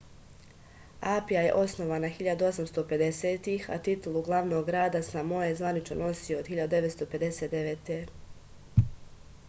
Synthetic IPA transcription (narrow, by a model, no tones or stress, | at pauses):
aːpijaje̞̰ʔo̞sno̞ʋaːnaxiʎad̪uo̞samst̪o̞pe̞d̪e̞seːt̪ixa̰t̪it̪ulˠuɡlˠaʋno̞ɡɡɾaːd̪asamojezʋanit͡ʃno̰no̞siood̪xiʎad̪ud̪eʋet̪st̪ope̞d̪e̞set̪d̪eʋeːt̪e